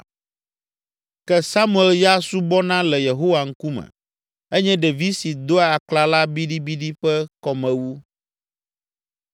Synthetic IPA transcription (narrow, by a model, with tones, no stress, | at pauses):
kɛ˦sa˦mũ˦ɛ˨lja˦su˦bɔ˦nã˦lɛ˨je˨ɦo˦wa˨ŋ̩˦ku˦mɛ̰̃˨ | ɛ˦ɲɛ̃˦ɖɛ˨vi˦si˨d̪o˦a˨a˨kla˦la˦bi˦ɖi˦bi˦ɖi˦ɸɛ˦kɔ˨mɛ̃˨wu˦